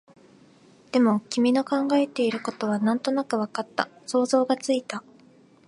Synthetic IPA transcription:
d̪̥e̞mo̞kʲimʲino̞kãŋɡae̞t̪e̞iɾɯ̟ko̞t̪o̞βanãnt̪o̞nakɯ̟βakat̪ːaso̞ːzo̞ːɡat͡sɨit̪a

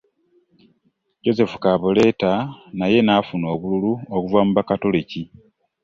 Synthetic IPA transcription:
ɟo̞ze̞fu̥kaːβole̞tanaje̞nafuno̞ːβululuokuvamuβakato̞leci

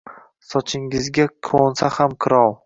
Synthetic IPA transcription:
sɒt͡ʃʰɪŋɪzɡʲakʰonsahamkʰɨɾɒw

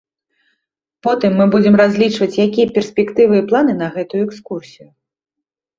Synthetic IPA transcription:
pɔt̪ɨmːɨbud͡zʲɛmrazʲlʲit͡ʂvɐt͡sʲjakʲijɐpʲɛrsʲpʲɛkt̪ɨvɨːplˠan̪ɨnɐɣɛt̪ujuɛkskursʲiju

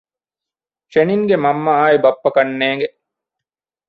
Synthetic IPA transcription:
ʃeniŋɡemɐmːɐaːibɐpːɐkɐnːeːŋɡe

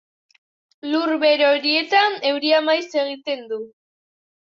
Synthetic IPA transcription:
luɾβe̞ɾo̞ɾie̞t̪ane̞wɾiamajse̞ɣ̞it̪e̞nd̪u

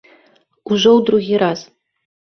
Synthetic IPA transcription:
uʒɔwd̪ɾuɣʲiɾaz̥

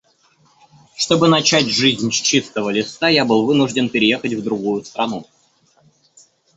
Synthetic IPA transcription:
ʂt̪o̞bɨnɐt͡ɕætʲʐɨzʲnʲt͡ɕist̪əvəlʲɪsajabɨlˠvɨnʊʐdʲɪnpʲɪɾʲɪjexətʲvd̪ɾʊɡujʊst̪ɾɐnu

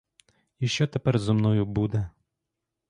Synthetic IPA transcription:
iʃt͡ʃɔt̪ɛpɛrzɔmnɔjʊbud̪ɛ

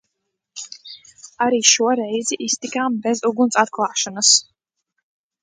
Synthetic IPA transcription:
aɾiːʃuɔɾɛjziʔist̪ikaːmbɛzuɡunsʼat̪̚kʰlˠaːʃanəs

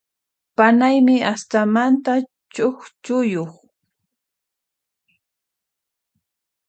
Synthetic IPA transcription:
panajmɪast̪amant̪a | t͡ʃoχt͡ʃʊjoχ

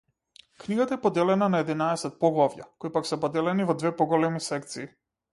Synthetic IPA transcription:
kniɡat̪aɛpɔd̪ɛlɛnanaɛd̪inaɛsɛt̪̚pɔɡlˠavja̰kɔipaksɛpɔd̪ɛlɛnivɔd̪vɛpɔɡɔlɛmisɛk̚t̪siː

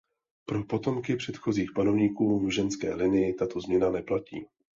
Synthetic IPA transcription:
pɾo̞po̞t̪o̞mkɪpr̝̥ɛt̪xo̞ziːxpano̞vɲiːkuːvʒɛnskɛ̰ːlɪnɪjɪt̪at̪o̞zmɲɛnanɛplacḭː

